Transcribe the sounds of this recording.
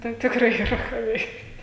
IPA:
ˈtɐɪ tʲɪkˈrɐɪ iːˈrɐ kɑː ˈʋʲɛɪktʲ

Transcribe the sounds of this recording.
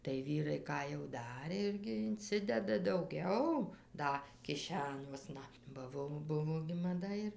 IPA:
tɐɪ ˈʋʲiːrɐɪ ˈkɑː jɛʊ ˈdɑːrʲeː ˈɪrʲɡʲɪ ɪnʲˈt͡sʲɪdʲɛdɐ dɐʊˈɡʲɛʊ ˈdɐ kʲɪˈʃʲæːnʲuɔsnɐ bɐ ˈʋoː ˈbʊʋoː ɡʲɪ mɐˈdɐ ɪr

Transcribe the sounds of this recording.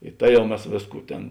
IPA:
ɪ ˈtɐ ˈjɛʊ ˈmʲɛs ˈʋʲeːsˌkuː ˈtʲeːn

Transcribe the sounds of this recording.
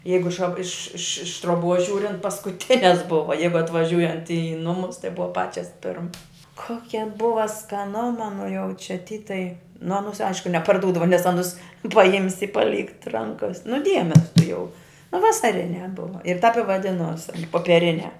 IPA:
ˈjɛɪɡʊ ɪʃ ʃɐ ɪʃ ɪʃ ɪʃ truɔˈbuɔs ˈʒʲuːrʲɪnt pɐskʊˈtʲɪnʲɛs ˈbʊʋɐ ˈjɛɪɡʊ ɐtʋɐˈʒʲuːjɛnt ɪ ˈnʊmʊs tɐɪ ˈbʊʋɐ ˈpɑːt͡ʃʲɛs ˈpʲɪrmɐs ˈkoːkʲɛ ˈbʊʋɐ skɐˈnʊmɐ nʊ jɛʊ t͡ʃʲɛ tʲiː tɐɪ nʊ ɐˈnuːs ˈɐɪʃkʊ nʲɛpɐrˈduːdɐʋoː nʲɛs ˈɑːnʊs pɐˈjɪmʲsʲɪ ɪ pɐˈlʲiːkt ˈrɐŋkɐs nʊ ˈdʲiɛmʲɛs tʊˈjɛʊ nʊ ʋɐsɐˈrʲɪnʲæː ˈbʊʋɐ ɪr tɐp ɪ ʋɐˈdʲɪnoːs ɐn poːpʲiɛˈrʲɪnʲæː

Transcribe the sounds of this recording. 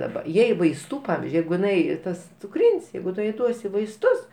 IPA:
dɐˈbɐ ˈjɛɪ ʋɐɪsˈtuː ˈpɑːʋʲɪzʲd͡ʒʲʊɪ ˈjɛɪɡʊ jɪˈnɐɪ ˈtɐs t͡sʊˈkrʲɪnʲsʲ ˈjɛɪɡʊ ˈtʊ jɛɪ ˈduɔsʲɪ ʋɐɪsˈtʊs

